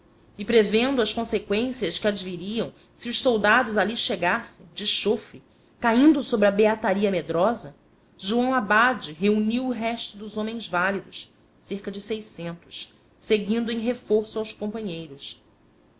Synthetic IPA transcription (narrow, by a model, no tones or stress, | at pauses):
ɪpɾevẽnd̪ʊɐskõsekwẽsiɐʃkɪad͡ʒviɾiɐ̃w̃ | siʊʃsowd̪ad̪ʊzaliʃeɡasẽj̃d͡ʒɪʃofɾɪ | kaĩnd̪ʊsobɾɪɐbeat̪aɾiɐmed̪ɾɔzɐ | ʒuɐ̃w̃abad͡ʒɪɦeuniwʊɦɛʃt̪ʊd̪ʊzõmẽj̃zvalid̪ʊʃ | seɾkɐd͡ʒɪsejsẽnt̪ʊ̥ʃ | seɡĩnd̪ʊẽj̃ɦefoɾsʊawskõmpɐ̃ɲejɾʊs